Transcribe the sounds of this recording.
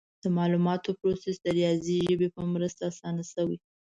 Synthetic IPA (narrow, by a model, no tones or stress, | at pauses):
d̪̥əmɑlumɑt̪opɾosesd̪əɾjɑziʒəbepəmɾəst̪aːsɑnasəwi